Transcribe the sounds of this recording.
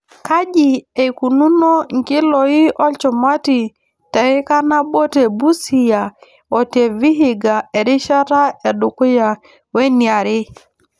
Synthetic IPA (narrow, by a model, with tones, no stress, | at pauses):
ka˦d͡ʒi˨e˨ku˨nu˦no˦ŋ̩˨ki˦lo˨i˦ʔɔ˦lt͡ʃɔ˨ma˦ti˨ | tɛ˨ɪ˦ka˦na˦ɓo˦te˨bu˦si˨ja˨ | ɔ˨te˨vi˦ɦi˨ɡa˨e˨ɾi˦ʃa˦ɾa˦e˨du˨ku˦ja˨ | we˦ni˨a˨ɾɪ˦